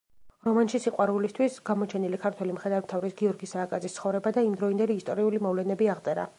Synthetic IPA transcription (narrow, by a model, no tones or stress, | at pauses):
ɾɔmanʃisiqʼwaɾulist̪ʰwisɡ̥amɔt͡ʃʰɛnilikʰaɾt̪ʰwɛlimχɾɛd̪aɾmt̪ʰavɾisɡiɔɾɡisaːkʼad̪zist̪sʰχɔvɾɛbad̪aimd̪ɾɔind̪ɛliːst̪ʼɔɾiulimɔvlɛnɛbiaʁt̪sʼɛɾa̰